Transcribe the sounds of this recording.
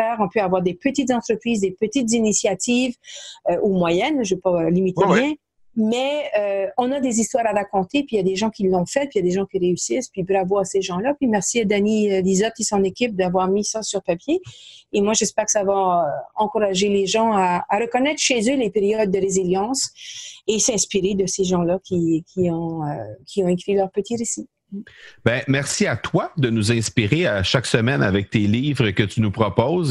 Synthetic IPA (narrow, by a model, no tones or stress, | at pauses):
ɛʁɔ̃pøavwaʁd̪epət̪it̪zɑ̃t̪χəpχiːzd̪epət̪it̪zinisjat̪ʰivøʔumwajɛnʒəvøpalimit̪eʁjɛ̃ | mɛøɔ̃nad̪ezist̪waʁaʁakɔ̃t̪epɥijad̪eʒɑ̃kʲilːɔ̃fɛt̪̚pɥijad̪eʒɑ̃kʲiʁeysispɥibʁavoaseʒɑ̃lapɥimɛʁsiad̪aniød̪izɔt̪̚kʲisɔ̃nekʲip̚d̪avwaʁmisasyʁpapjeːmwaʒɛspɛːʁkə̥savaøɑ̃kuʁaʒeleʒɑ̃aːʁəkɔnɛt̪χəʃezølepeʁjɔd̪̚ːəʁeziljɑ̃ːsesɛ̃spiʁed̪əseʒɑ̃lakʲʰikʲʰiɔ̃økʲʰiɔ̃ekʁilœʁpət̪iʁesi | bɛ̃mɛʁsiat̪wad̪ənuzɛ̃spiʁeaʃaksəmɛna̰vɛk̚t̪eliːvʁəkʲət̪ynupʁɔpɔːz